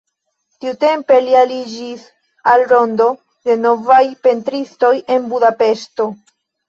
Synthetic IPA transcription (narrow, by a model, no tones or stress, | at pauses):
tiute̞mpe̞lialid͡ʒis | alɾo̞ndo̞ | de̞no̞vajpe̞ntɾisto̞je̞nbudape̞ʃto̞